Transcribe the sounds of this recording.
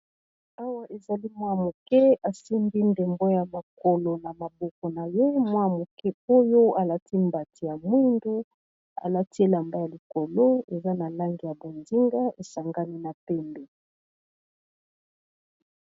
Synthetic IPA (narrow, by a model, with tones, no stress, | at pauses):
a˦wa˦ʔe˨za˨li˦mwa˦mo˨kɛ˦a˨si˦mbi˦nde˨mbo˦ja˨ma˨ko˨lo˨na˨ma˨bɔ˦kɔ˨na˨je˦mwa˦mo˨kɛ˦o˦jo˦a˨la˦ti˦mba˨ti˨ja˨mwi˦ndu˦ | a̰˨la˦ti˦la˨mba˦ja˨li˨ko˨lo˦e˨za˦na˨la˦ŋɡi˨ja˨bo˨nzi˦ŋɡa˦e˨sa˨ŋɡa˦ni˦na˨pɛ˦mbe˨